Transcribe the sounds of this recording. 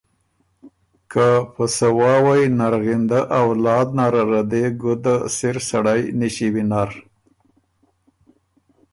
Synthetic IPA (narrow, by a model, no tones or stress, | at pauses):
kapəsawɑwajnaɾɣind̪aʔawlɑd̪̚naɾaɾad̪eɡud̪asɪɾsaɽajniʃiwinaɾ